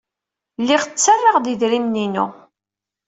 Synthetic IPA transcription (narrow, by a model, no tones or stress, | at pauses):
lːɪʁt͡sːərːɑʁd̪iðɾimninṵ